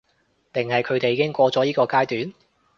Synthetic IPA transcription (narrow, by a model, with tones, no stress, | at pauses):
t̪ɪ˨ŋhɐ˨jkʰɵ˨˧ɥt̪e˨jːkɪ˥ŋkʷɔː˧t͡sɔː˨˥jiː˥kɔː˧kaː˥jt̪yː˨˥n